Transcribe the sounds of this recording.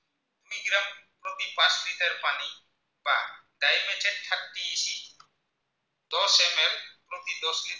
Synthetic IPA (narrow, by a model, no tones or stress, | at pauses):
umiɡɾɐmpɾot̪ipaslit̪eɾpani | b̥a̰ɖ̪ajmet͡ʃeʈʈʰaʈːiːʃi | d̪ɔsemempɾot̪id̪ɔslit̪